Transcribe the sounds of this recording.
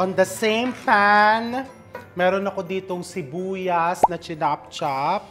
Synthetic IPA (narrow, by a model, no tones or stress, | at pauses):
ʔɔnd̪ɐsẽjmplan | mɛːɾonɐko̞d̪iːt̪oŋsɪbuːjɐsnɐt͡ʃɪnap̚t͡ʃap̚